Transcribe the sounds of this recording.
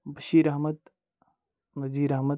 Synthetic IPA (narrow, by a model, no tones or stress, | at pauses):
bɐʃiːɾɐɦmɐd̪ | nɐziːɾɐɦmɐ